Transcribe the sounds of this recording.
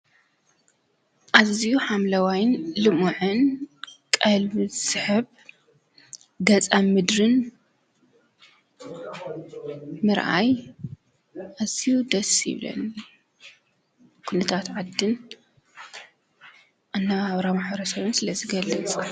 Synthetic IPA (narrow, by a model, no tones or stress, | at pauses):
ʔazijuħamlɐwajnlɨmuʕɨnkʼɐlβɨsɨħɨβ | ɡɐt͡sʼamɨd̪ɾɨn | mɨɾʔa̰j | ʔazijud̪ɐsɪ̰βlɐ̰n | kʰunɐt̪ʰat̪ʕad̪ːɨn | ʔanːaβaβɾamaħβɐɾɐsɐβɨnsɨlɐzɨɡɐlːɨt͡sʼ